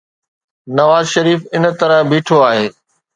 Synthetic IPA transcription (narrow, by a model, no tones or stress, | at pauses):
nɐʋaːzʃɐɾiːfɪn̆t̪ɐɾəɦbʱiːʈʰoaːɦeː